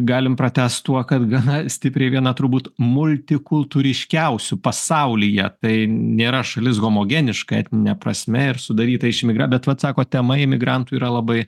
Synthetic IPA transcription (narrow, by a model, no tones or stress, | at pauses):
ɡɑːlʲɪmpɾɐt̪ʲæːst̪t̪uɔkɐt̪ɡɐnɐsʲt̪ʲɪpʲɾʲɛɪʋʲiɛnɐt̪ɾʊbuːt̪mʊlʲt̪ʲɪkʊlˠt̪uːɾʲɪʃʲkʲɛʊsʲʊpɐsɐʊlʲɪjɛt̪ɐɪnʲeːɾɐʃɐlʲɪsɣoːmoːɡʲɛnʲɪʃkɐɛ̰t̪ʲnʲɪnʲɛprɐsʲmʲɛɪɾsʊd̪ɐɾʲiːt̪ɐɪʃɪmʲɪɡɾɐbʲɛt̪ʋɐt̪sɑːkoːt̪ʲɛmɐɪmʲɪɡɾɐnt̪uiːɾɐlˠɐbɐɪ